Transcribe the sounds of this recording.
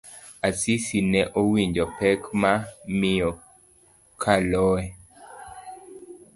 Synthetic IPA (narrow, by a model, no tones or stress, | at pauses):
asisinɛʔowiɲd͡ʒɔpɛkmamɪjɔ | kʰalɔɛ